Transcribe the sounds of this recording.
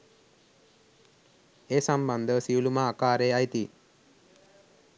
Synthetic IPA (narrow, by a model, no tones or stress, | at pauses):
eːsɐmbɐnd̪əsiulumaːkaːɾeːɐjt̪i